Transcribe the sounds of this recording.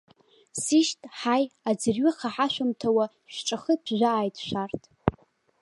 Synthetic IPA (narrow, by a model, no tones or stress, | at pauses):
siʃtʼħajad͡zɨrɥɪχʰaħaʃʷᶣamtʰawa | ʃᶣʈ͡ʂʼaχəpʰʒᶣʷaːjtʰʼʃʷᶣartʼʰ